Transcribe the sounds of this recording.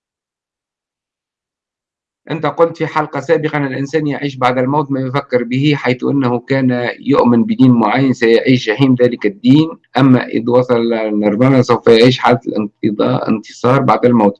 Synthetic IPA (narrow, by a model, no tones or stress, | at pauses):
ʔɪ̰nt̪æqʊlt̪fiħɑlqɑsæːbɪqɑʔɪnɪlʔɪnsæːnjaʕiːʃ̬baʕd̪ælmawːt̪mæːjʊfækːɪɾbɪhiħajθʔɪ̰nːahukæːnjʊ̰ʔmɪnbɪd̪iːnmʊʕajːansæjaʕiːʃʒaħiːmðæːlɪkɪd̪ːiːnʔæmːæ̰ʔɪ̰ðwɑsˤɑlnɑɾˤmaːmasawfæjaʕiːʃ̬ħaːlalʔɪ̰nɪ̰nt̪ɨ̥sˤɑːɾˤbaʕd̪ælmuːt̪̚